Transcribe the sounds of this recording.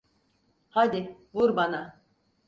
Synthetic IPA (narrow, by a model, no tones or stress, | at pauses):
had̪ɪvuɾbana